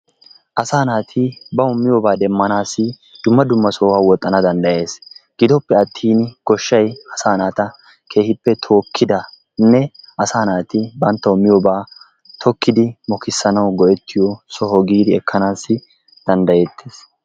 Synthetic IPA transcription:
ʔɐsaːnaːt̪ʰɪbɐʊmːɪjɔːbaːd̪ɛmːɐnaːsːɪ | d̪̥ʊmːɐd̪ʊmːɐsɔwaːwɔt̪ʼːɐnɐd̪ɐnd̪ɐje̞ːsɡ̥ɪd̪ɔpːɛɐt̪ʰːiːnɡ̥ɔʃːɐjɐsaːnaːt̪ɐ | kʰe̞ːhɪpːɛt̪ʰoːkʰːɪd̪ɐ | nɛʔɐsaːnaːt̪ɪbɐnt̪ːɐʊmːɪjobaː | t̪ʰɔkːɪd̪ɪmɔkɪsːɐnɐwɡɔʔɛt̪ʰːɪjɔsɔɔɡiːd̪ɪɛkːɐnaːsːɪ | d̪̥ɐnd̪ɐjeːt̪ʰːeːs

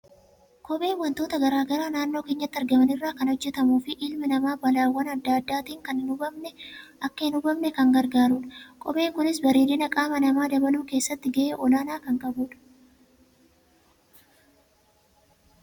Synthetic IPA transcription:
kʼɔɓʼe̞ːnwɐnt̪o̞ːt̪ɐɡɐɾaːɡɐɾaːnaːnːo̞ːke̞ːɲːɐt̪ːɐɾɡɐmɐnɪrːaːkɐnhɔd͡ʒːɛt̪ɐmuːfɪʔɪlmɪnɐmaːbɐlaːwːɐnɐd̪ːaɐd̪ːaːt̪iːŋkɐnnʊbɐmnɛʔɐkːɐɪnʊbɐbnɛkɐŋɡɐɾɡaːɾuᶑɐ̥kʼɔ̰be̞ːŋkʊnɪs̬bɐɾeːlɪnɐkʼaːmɐnɐmaːd̪ɐbɐluːkeːsːɐt̪ːɪɡɐʔeːʔɔlaːnaːkɐŋkʼɐbuːᶑɐ̥

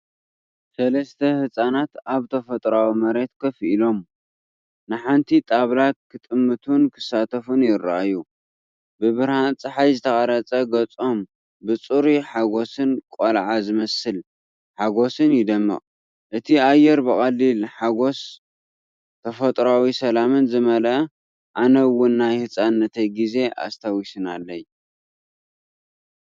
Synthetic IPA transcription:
sɐlɐst̪ʰɐhɨsʼanat̪aβt̪ʰɐfɐt̪ʼɾawimɐɾe̞t̪̚kʰɐfʔilo̞m | nɨħant̪ʰit̪ʼaβlat̪̚kʰɨt̪ʼɨmːɨt̪ʰunkʰɨ̥sat̪ʰɐfunjɪɾːa̰ʔaju | bɨβɨɾhant͡sʼɨħajzɨt̪ʰɐxʼɐɾɐt͡sʼɐɡɐt͡sʼo̞m | bɨt͡sʼuɾiħaɡo̞sɨnkʷʼolʕazɨmɐsɨl | ħaɡo̞sɨnjɪd̪ɐmːɐ̰χʼ | ʔɨt̪ʰiajːɛɾbɨχʼɐlːilħaɡo̞s | t̪ʰɐfɐt̪ʼɾawisɐlamɨnzɨmɐlʔɐ | ʔanɐwːʊnːajhɨt͡sʼanːɐt̪ʰɐjɡize̞ʔa̰st̪ʰawisɨnalːɐj

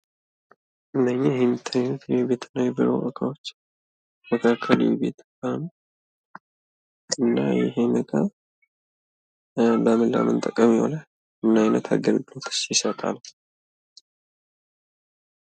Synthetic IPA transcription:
ʔɨnːəɲːejhent̪ʰanut̪jbet̪ʰɨnːajɛbɨɾow̰ʔəkʰawot͡ʃː | məkʰakʰːəlibet̪ʰkʼam | ɨnːa̰jɪ̰ɦeməkʼa | ləmɨlːa̰mɨnt̪ʼəkʼːəmjwo̰la | ɨnːajnət̪ʰa̰ɡəlɡot̪ʰɨ̥sjɪsət̪ʼa̰l

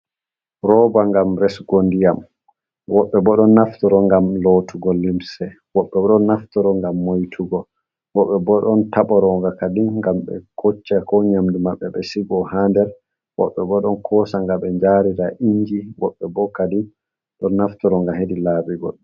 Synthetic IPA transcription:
ɾɔbaŋɡamɾɛsɡondijam | wɔɓːɛbɔɗɔnːaftɔɾɔŋɡamlotʰuɡɔlːimsɛ | wɔɓːɛɔɗɔnːaftɔɾɔŋɡamːojtʰuɡɔ | wɔɓːɛbɔɗɔntaɓɔɾɔŋɡakadinŋɡamɓɛ̰kʰot͡ʃːakɔɲamdimaɓːɛɓɛsiɡɔhandɛɾ | wɔ̰ɓːɛbɔɗɔnkʰɔsaŋɡaɓɛɲd͡ʒaɾiɾaʔiɲd͡ʒiwɔɓːɛbɔkadin | ɗɔnːaftɔɾɔŋɡaɦedilaːbiɡɔ̰l

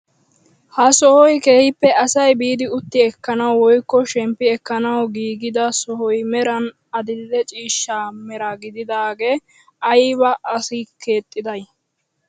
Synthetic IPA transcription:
hɐsɔhɔjke̞ːhɪpːɛɐsɐjbiːd̪ɪʊt̪ːɪɛkːɐnɐwwɔjkːɔʃɛmpːɪɛkːɐnɐwɡiːɡɪd̪ɐsɔhɔjmɛɾɐn | ɐd̪ɪlːɛt͡ʃʼiːʃːaːmɛɾaɡɪd̪ɪd̪aːɡe̞ː | ɐjbɐʔɐsɪke̞ːt̪ʼːɪd̪ɐj

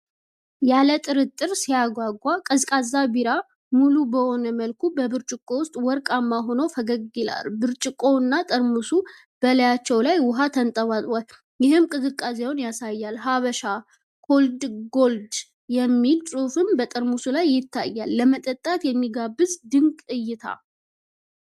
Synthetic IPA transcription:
jalət̪ʼɨɾɨt̪ʼːɨɾsijaɡʷaɡːakʼəzkʼazːabiɾa | mulubəho̞nəməlkʰubəbɨɾt͡ʃʼɪkʼːo̞wʊst̪ʼwɔɾkʼamːaɦonofəɡəɡila̰lbɨɾt͡ʃʼɪkʼo̞ɨnːat̪ʼəɾmusu | b̥ələjat͡ʃːɛwlajwʊɦat̪ʰənt̪ʼəβat̪ʼal | jɪɦɨmkʼɨzɨkʼːas̬eonjasajːalɦaβəʃa | kʰold̪ɡold̪ | jɛmːilsʼufɨmbət̪ʼəɾmusulajːɪt̪ʰːa̰jːalːəmət̪ʼət̪ʼːat̪jɛmːiɡabːɨzd̪ɨŋkʼɨjːɪt̪ʰa̰

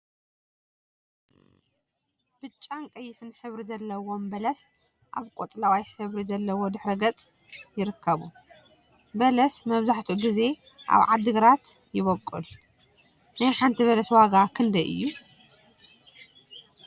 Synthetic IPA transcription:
b̥ɨt͡ʃʼːankʼɐjːɪħɨnħɨβɾizɐlːɐwo̞mbɐlɐs | ʔaβkʼot̪ʼlawajħɨβɾizɐlːɐwo̞d̪ɨħɾɐɡɐt͡sʼ | jɪɾɨkʰːɐβu | bɐlɐsmɐβzaħt̪ʰuɡize̞ | ʔa̰βʕad̪ːɨɡɾat̪ | jɪβɐkʼːṵl | najħant̪ʰiβɐlɐswaɡakʰɨnd̪ɐʔɨ̰jːu

